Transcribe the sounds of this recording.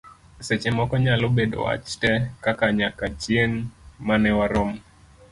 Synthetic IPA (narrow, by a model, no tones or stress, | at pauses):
sɛt͡ʃɛmɔkɔɲalobeɗo̰wa̰t͡ʃtɛkakaɲakat͡ʃieŋmanɛwaɾom